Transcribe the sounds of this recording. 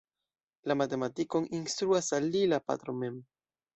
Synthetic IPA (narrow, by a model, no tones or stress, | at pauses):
lamate̞matiko̞ninst̪ɾuasalilapa̰t̪ɾome̞m